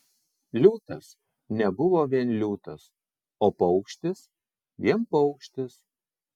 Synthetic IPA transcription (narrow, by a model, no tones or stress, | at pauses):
lʲuːt̪ɐs | nʲɛbʊʋoːʋʲiɛnlʲuːt̪ɐs | oːpɔʊkʃʲt̪ʲɪs | ʋʲiɛnpɔʊkʃʲt̪ʲɪs